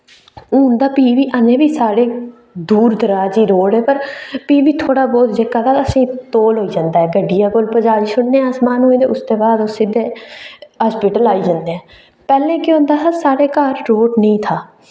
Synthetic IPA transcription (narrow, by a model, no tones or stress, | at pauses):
ʊ̃ːnd̪aːpiːʋiːʔənẽːbiːsaːɽeː | d̪uːɾd̪əɾaːd͡ʒiːɾoːɽɦɛːpəɾpiːʋiːt̪ʰoːɽaːbɔːt̪d͡ʒekːaːt̪ʰaːəsĩːt̪oːlɦoːiːd͡ʒãːnd̪aːɦɛːɡəɖɪjaːkoːlpəd͡ʒaːɾiːsʊɽneːaːsmaːnɦoːĩd̪ḛːʊst̪eːbaːd̪ʊsɪd̪eːɦaːspiːʈəlaːiːd͡ʒãːnd̪eɛ̃ː | pɛːlẽːkɪõːnd̪aːsaːsaːɽeːkaːɾːoːʈnəĩːt̪ʰaː